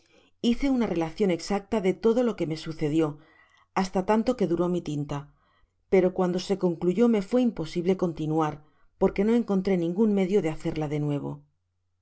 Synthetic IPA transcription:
iθe̞unare̞laθjo̞ne̞ksak̚t̪aðe̞t̪o̞ðo̞lo̞ke̞me̞suθe̞ðjo̞ | ast̪at̪ant̪o̞ke̞ðuɾo̞mit̪int̪a | pe̞ɾo̞kwand̪o̞se̞ko̞ŋkluʝo̞me̞fwe̞impo̞siβle̞ko̞nt̪inuaɾ | po̞ɾke̞no̞e̞ŋko̞nt̪ɾe̞nĩŋɡunme̞ðjo̞ðe̞aθe̞ɾlaðe̞nwe̞β̞o̞̰

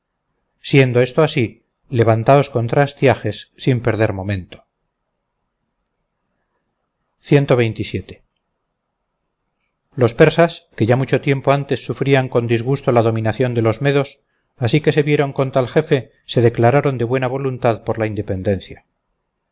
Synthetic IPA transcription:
sje̞nd̪o̞est̪oasi | le̞βant̪ao̞sko̞nt̪ɾaest̪jaxe̞sːimpeɾð̞e̞ɾmo̞mẽ̞nt̪o̥ | θje̞nt̪o̞βe̞jnt̪isje̞t̪e̞̥ | lo̞spe̞ɾsaske̞ʝamut͡ʃo̞t̪je̞mpo̞ant̪e̞sːufɾiaŋko̞nd̪izɣ̞ust̪o̞laðo̞mĩnaθjo̞nd̪elo̞zme̞ðo̞s | asike̞se̞βje̞ɾo̞ŋko̞nt̪alxe̞fe̞ | se̞ðe̞klaɾaɾo̞nd̪e̞βwe̞naβ̞o̞lunt̪aðpo̞ɾlaind̪e̞pe̞nd̪e̞nθja

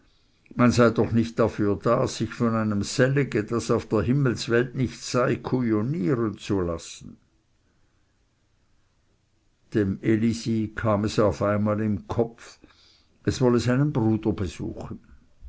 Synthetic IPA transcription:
manzaɪdɔχnɪçt̚d̥afyːɐdaːz̥ɪçfɔnaɪnəmz̥ɛlɪɡəd̥asaʊfd̥eːɐɦɪml̩svɛltnɪçtz̥aɪkʰujoniːʁənt͡sulasn̩ | d̥emelizikʰaːmɛsaʊfaɪnmaːlɪmkʰɔf | ʔɛsv̥ɔləzaɪnənbʁuːd̥ɐbəz̥ṵːxən̩

